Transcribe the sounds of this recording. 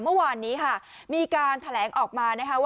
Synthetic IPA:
mɯ˥˩əwaː˧nːiː˦˥kʰa˥˩ | miː˧kaː˧nt̪ʰa˧lɛː˩˦ŋʔɔː˨˩k̚maː˧na˦˥kʰa˦˥w

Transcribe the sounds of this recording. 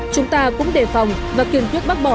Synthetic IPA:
t͡ɕʊ˨˦ŋ͡mt̪aː˧kʊ̰˧˥ŋ͡mɗe˧˩fa˨˩wŋ͡m | vaː˨˩ki˨˩ənt̪wi˦˥ət̚ɓa˦˥t̚ɓɔ˧˩

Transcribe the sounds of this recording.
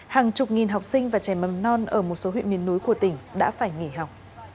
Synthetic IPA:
haː˨˩ŋt͡ɕʊ˨˩k͡p̚ŋi˨˩nɦa˨˩wk͡p̚sï˧ŋ̟vaː˨˩t͡ɕa˧˩jmə˨˩nɔ˧nʔəː˧˩mo˨˩t̚so˨˦ɦwḭ˧˨nmi˨˦ənːu˨˦jku˧˩ət̪ï˧˩ŋ̟ɗa̰ː˧˥faː˧˩jŋe˧˩ɦa˨˩wk͡p̚

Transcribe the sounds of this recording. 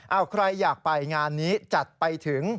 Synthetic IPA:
ʔa˧˩wkʰɾa˧jːaː˨˩k̚pa˧jŋaː˧nːiː˦˥t͡ɕa˨˩t̪̚pa˧jt̪ʰɯ˨˩˦ŋ

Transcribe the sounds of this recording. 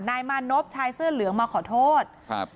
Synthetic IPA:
naː˧jmaː˧˥˩nːo˦˥p̚t͡ɕʰaː˧jsɯː˥˩ɐlɯ˨˩˦əŋmaː˧kʰɔː˨˩˦t̪ʰoː˥˩t̪̚

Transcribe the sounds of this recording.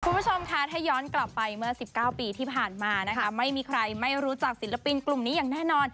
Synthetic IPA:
kʰu˧mbu˦˥t͡ɕʰo˧mkʰa˦˥t̪ʰa˥˩jɔː˦˥nkla˨˩pːa˧jmɯ˥˩ɐsi˨˩p̚kaː˥˩wpiː˧t̪ʰiː˥˩pʰaː˨˩nmaː˧na˦˥kʰa˦˥ma˥˩jmiː˧kʰɾa˧jma˥˩jɾuː˦˥t͡ɕa˨˩k̚si˩˦la˧pi˧nklu˨˩mniː˦˥jaː˨˩ŋnɛː˥˩nɔː˧n

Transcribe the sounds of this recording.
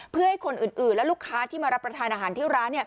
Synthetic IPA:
pʰɯ˥˩ɐha˥˩jkʰo˧nʔɯː˨˩nʔɯː˨˩nlɛ˦˥luː˥˩kʰːaː˦˥t̪ʰiː˥˩maː˧ɾa˦˥p̚ːɾa˧t̪ʰaː˧nʔaː˧ɦaː˩˦t̪ʰi˥˩wɾaː˦˥nːi˥˩ɐ

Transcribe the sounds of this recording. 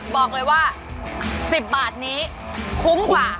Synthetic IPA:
bɔː˨˩k̚lɤː˧jwaː˥˩ | si˨˩p̚baː˨˩t̪̚niː˦˥ | kʰu˦˥ŋkwaː˨˩

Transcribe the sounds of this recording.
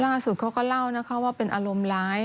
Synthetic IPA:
laː˥˩su˨˩t̪̚kʰa˦˥wkɔː˥˩la˥˩wna˦˥kʰa˦˥waː˥˩pe˧nʔaː˧ɾo˧mlaː˦˥j

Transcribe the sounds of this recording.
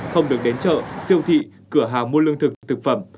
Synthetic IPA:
xə˧wŋ͡mɗɨ˨˩ək̚ɗe˨˦nt͡ɕə̰˧˨si˧əwt̪ʰḭ˧˨ | kɨ˧˩əɦaː˨˩ŋmu˧əlɨ˧əŋt̪ʰɨ˨˩k̚t̪ʰɨ˨˩k̚fə˧˩m

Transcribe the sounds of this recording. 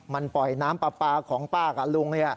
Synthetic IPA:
ma˧npɔ˨˩jnaː˦˥mpa˧paː˧kʰɔː˩˦ŋt̪aː˥˩ka˧˩lu˧ŋni˥˩ɐ

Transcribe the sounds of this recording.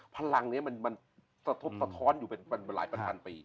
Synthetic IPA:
pʰa˧la˧ŋni˦˥ɐma˧nma˧n | sa˧t̪ʰo˦˥p̚sa˧t̪ʰɔː˦˥njuː˨˩pe˧npa˧n˧la̰ː˩˦jpa˧npʰa˧npiː˧

